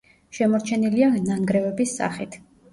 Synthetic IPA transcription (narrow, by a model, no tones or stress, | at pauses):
ʃɛmɔɾt͡ʃʰɛnilianaŋɡɾɛvɛbisːa̰χit̪ʰ